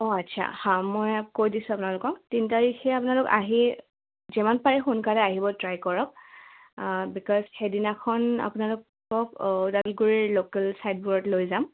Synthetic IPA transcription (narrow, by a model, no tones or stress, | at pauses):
ɔatsʰa̰hãmɔjkojdisʊ̃apunalʊkɔktinitaɹikʰɛapunalʊka̰ɦi | zɛmanpaɹixunkalɛaɦibɔtɹajkɔɹɔk̚ | bikɔzxedinakʰɔna̰pʊnalʊk | ɔkdalɡuɹilokɛlsajd̚buɹɔtlojzam